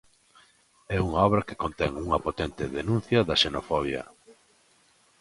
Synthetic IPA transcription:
ɛuŋaɔβ̞ɾɐke̥kont̪ɛŋuŋɐpot̪ɛnt̪ɪðenũn̟θjɐðɐʃenofɔβ̞jɐ̰

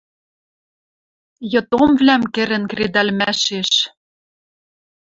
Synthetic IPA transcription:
jɤ̆t̪omvlæmkĕɾɘ̆nkred̪ælmæʃeʃ

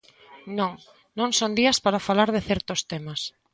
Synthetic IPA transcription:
nõŋ | nõŋsond̪iɐspaɾafalaɾðɪθɛɾt̪ost̪ɛmas

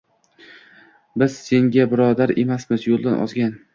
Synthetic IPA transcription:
bɪz̥se̞ŋɡʲabɪɾɒd̪aɾe̞̰masmɪzjolˠd̪anʔɒ̰zɡʲan

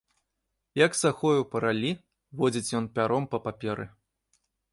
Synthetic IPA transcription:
jɐksaxɔjupɐɾalʲi | vɔd͡zʲit͡sʲjɔnpʲaɾɔmpɐpapʲɛɾɨ̰

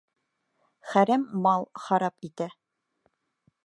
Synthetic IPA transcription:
χæɾæmːɑlˠχɑɾɑpit̪æ

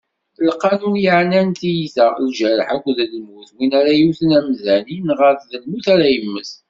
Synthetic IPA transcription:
lqːɑnujəʕnænt̪ijiθəlʒæɾəħækʷːðlmuθwinæɾæjuθənæmzæninʁəɾθðəlmuθæɾæjəmːəθ

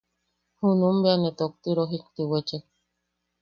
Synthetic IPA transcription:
hunũmbeanet̪ok̚t̪iɾoɦik̚t̪iwet͡ʃek

